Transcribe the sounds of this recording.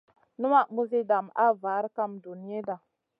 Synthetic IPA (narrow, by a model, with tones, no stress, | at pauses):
nu˦ma˦˨mu˦zi˦da˨ma̰˦va˨˦ɾka˦mdu˨ni˦e˦da˨